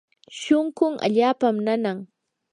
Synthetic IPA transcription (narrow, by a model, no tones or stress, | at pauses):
ʃʊŋkʊŋʔa̰ʎaːpamnanaŋ